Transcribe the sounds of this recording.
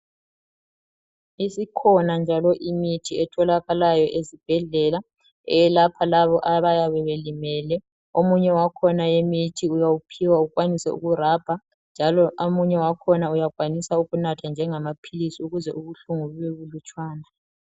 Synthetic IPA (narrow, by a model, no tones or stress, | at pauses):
isikʰɔnand͡ʒʱalɔʔimitʰiɛtʰɔlaɣalajɔʔezib̥ʱɛɮɛla | ɛlapʰalaβɔʔaβajaβɛβelimɛlɛ | omuɲɛwakʰɔnajemitʰiujawupʰiwauɣwanisɛ̰ṵɣurab̥ʱa | nd͡ʒʱalɔʔomuɲɛwakʰɔnaujaɣwanisauɣunatʰand͡ʒʱɛŋamapʰilisiuɣuzɛuɣuɬuŋuβeβulut͡ʃʼwaːna